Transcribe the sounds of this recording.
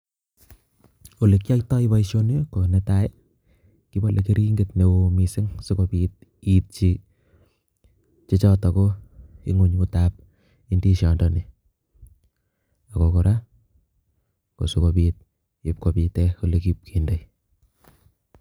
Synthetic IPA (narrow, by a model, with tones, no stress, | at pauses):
o˨le˨kja˦ktɔ˦i˦ba˦iʃo˦n˦o˦ko˨nɛtaje | ki˦ba˦lʔeke˦ɾi˦ŋɡetne˨omisɪ˦ŋsʊ˦kopit̚ | it̚t͡ʃi | t͡ʃe˦t͡ʃɔtɔ˨koḭ˦ŋu˨ɲkutap̚ | i˦ndi˦ʃɔ˨ndɔni˨ | a˨koko˨ɾʔa˦ | ko̰˨sukopit̚ | i˨p̚kopi˨tɛ˦ko˦lekip̚kʰendəj